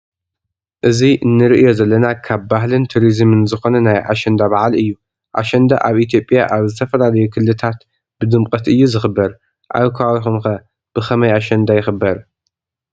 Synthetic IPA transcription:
ʔɨziʔɨnːɨɾɨʔjo̞zɐlːɐnakʰabːaɦlɨnt̪ʰuɾizɨmɨnzɨxo̞nɐnajʔa̰ʃɐnd̪abaʕalɨjːu | ʔa̰ʃɐnd̪a̰ʔaβit̪ʰjo̞pʼja̰ʔaβzɨt̪ʰɐfɐlalɐjukʰɨlːɨt̪ʰat̪ | b̥ɨd̪ɨmkʼɐt̪ɨjːuzɨxɨbːɐɾ | ʔa̰wkʰɐwawixumxɐ | b̥ɨxɐmɐjaʃɐnd̪ajɪxɨbɐɾ

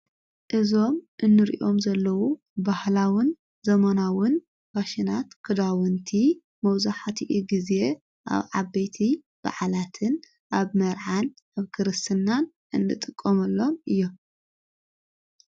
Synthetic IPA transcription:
ʔɨzo̞mʔɨnːɨɾḭʔo̞mzɐlːɐwu | bahlawɨn | zɐmanawʊn | baʃɪnat̪kʰɨd̪awɨnt̪ʰi | mɐwzaħat̪ʰiʔiɡize̞ | ʔa̰βʕaβejt̪ʰi | b̥a̰ʕalat̪ʰɨn | ʔaβmɐɾʕanʔaβkʰɨɾɨst̪ʰɨnːan | ʔɨnːɨt̪ʼɨkʼːomɐlːo̞mɨjːo̞m

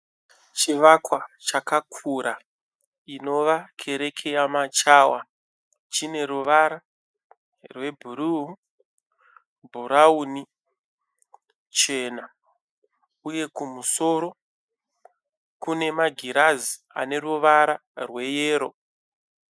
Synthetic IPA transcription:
t͡ʃiʋakwat͡ʃakakʰuɾa | ino̞ʋakʰe̞ɾe̞kʰe̞jamat͡ʃaːwa | t͡ʃine̞ɾuʋaɾa | rwe̞bʱuɾu | bʱuɾauːni | t͡ʃe̞ːna | uje̞kumuso̞ɾo̞ | kune̞maɡʱiɾazi | a̰ne̞ruʋaɾa | rwe̞jeːɾo̞

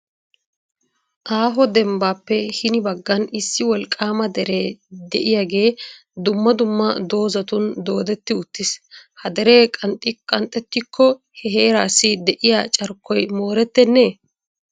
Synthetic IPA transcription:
ʔaːɦɔd̪ɛmbaːpːɛhɪnɪbɐɡːɐnɪsːɪwɔlkʼaːmɐd̪ɛɾeːd̪ɛʔɪjaɡe̞ː | d̪ʊmːɐd̪ʊmːɐd̪o̞ːzɐt̪ʊnd̪o̞ːd̪ɛt̪ːɪʊt̪ːɪshɐd̪ɛɾeːkʼɐnt̪ʼɪkʼɐnt̪ʼːɛt̪ːɪkʰːɔ | hɛɦeːɾaːsːɪd̪ɛʔɪjat͡ʃʼɐɾkʰːɔjmo̞ːɾɛt̪ːɛnːeː

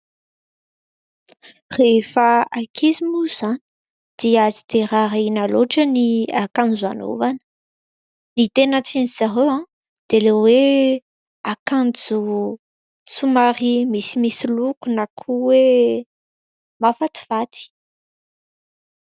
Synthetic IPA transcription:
refaakʰizimuz̥ani̥ | d̪̥iazid̪eɾaɾainaloʈ͡ʂəniakand͡zua̰no̰vanə̥ | nit̪enət͡seniz̥aɦewã | d̪̥elewe | akand͡zu | sumaɾimisimisilukunakʰuwe | mafat̪i̥vat̪i̥

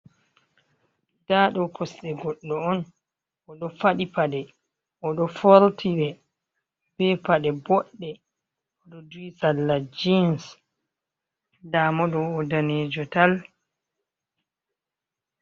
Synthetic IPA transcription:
daːɗɔpʰɔsɗɛɡɔɗːɔɔn | ʔɔɗɔfaɗipaɗɛ | ʔɔɗɔfoɾtʰiɾɛ | bɛpaɗɛbɔɗːɛ | ɔɗɔdwisalːad͡ʒins | damɔɗɔːdaneːd͡ʒɔtal

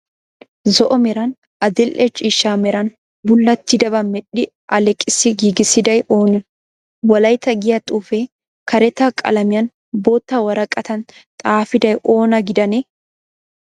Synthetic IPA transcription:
zɔʔɔmɛɾɐn | ʔɐd̪ɪlʔɛt͡ʃʼiːʃːaːmɛɾɐn | bʊlːɐt̪ːɪd̪ɐbɐmɛɗɪ | ʔɐlɛkʼːɪsɪɡiːɡɪsɪd̪ɐjʔo̞ːnɪ | wɐlɐjt̪ɐɡɪjɐt̪ʼuːfe | kɐɾɛt̪aːkʼɐ̰lɐmɪjɐn | bo̞ːt̪ːawɐɾɐkʼːɐt̪ɐnt̪ʼaːfɪd̪ɐjʔo̞ːnɐɡɪd̪ɐne

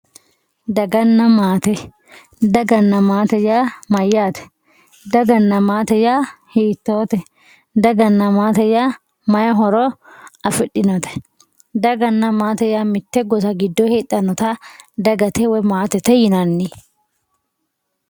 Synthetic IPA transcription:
d̪ɐɡɐnːɐmaːt̪ɛ | d̪ɐɡɐnːɐmaːt̪ɛjaːmɐjːaːt̪ɛ̥ | d̪ɐɡɐnːɐmaːt̪ɛjaːhiːt̪ːoːt̪ɛ | d̪ɐɡɐnːɐmaːt̪ɛjaː | mɐjɐɦɔɾɔɐfɪɗːɪnɔt̪ɛ̥ | d̪ɐɡɐnːɐmaːt̪ɛjaːmɪt̪ːɛɡɔsɐɡɪd̪ːɔheːt̪ʼːɐnɔt̪ɐd̪ɐɡɐt̪ɛwɔmaːt̪ɛt̪ɛjɪnɐnːɪ

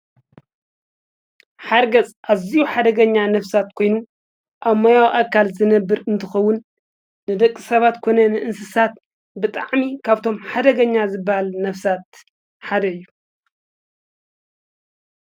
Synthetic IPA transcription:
ħaɾɡɐt͡sʼʔaβzijuħad̪ɐɡɐɲːanɐfsat̪kʰo̞jnu | ʔaβmojawʔakʰalzɨnɐbːɨɾɨnt̪ʰɨxɐwːʊnː | ɨd̪ɐkʼːɨsɐβat̪kʰo̞nɐnɨʔɨnsɨsat̪̚ | bɨt̪ʼaʕmikʰaβt̪ʰo̞mħad̪ɐɡɐɲːazɨbːahalnɐfsat̪̚ | ħad̪ɐɨjːu

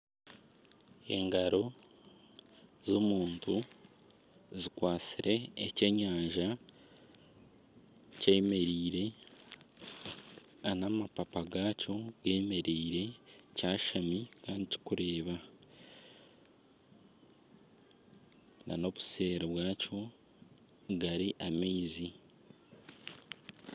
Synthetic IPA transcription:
e̞̰ŋɡaɾo̞ | zomuːntu | zikwaːt͡siɾʔe̞ːce̞ːɲaːɲʒa | ceeme̞ɾiːɾe̞ | anamapapaɡaːco̞ɡeːmeɾiːɾe̞caːʃamikaːndici̥kuɾe̞ːβa | na̰no̞βuse̞ːɾeβwaːco̞ | ɡaɾiʔameizi

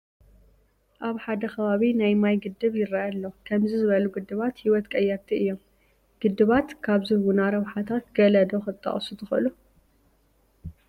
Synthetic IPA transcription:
ʔaβħad̪ɐxʰɐβaβinajmajɡɨd̪ːɨβjɪɾajalːokʰɐmzizɨβɐluɡɨd̪ːɨβat̪hiwɔt̪kʼɐjːaɾt̪ʰiɨjːom | ɡ̥ɨd̪ːɨβat̪kʰaβzɨhwunaɾɐβħat̪ʰat̪ɡ̥ɐlɐd̪oxɨt̪ʼːɐ̰χʼsut̪ʰɨxɨlu

